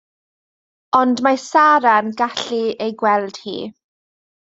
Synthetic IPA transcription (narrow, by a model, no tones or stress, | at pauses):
ɔndmasaɾanɡaɬiejɡwɛlˠd̥hḭː